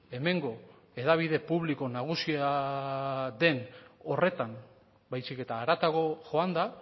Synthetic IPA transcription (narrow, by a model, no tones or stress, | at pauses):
e̞me̞ŋɡo̞ | e̞ðaβ̞ið̞e̞puβliko̞naɣ̞usia | ðe̞no̞re̞t̪am | bajsike̞t̪aːɾat̪aɣo̞ʝo̞and̪a